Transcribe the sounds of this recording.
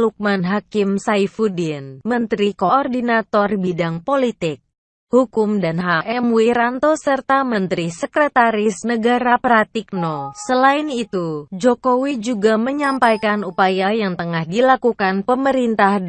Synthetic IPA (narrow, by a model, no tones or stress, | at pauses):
luk̚manɦakɪmsaifudinmənt̪ɾikoɔrdinat̪ɔrbidaŋpolit̪ɪk̚ | hukʊmdanɦaʔɛmwiɾant̪osərt̪amənt̪ɾisəkɾət̪aɾɪsnəɡaɾapɾat̪ik̚nosəlaɪnit̪ud͡ʒokowid͡ʒuɡaməɲampajkanupajajaŋt̪əŋahdilakukanpəməɾint̪ah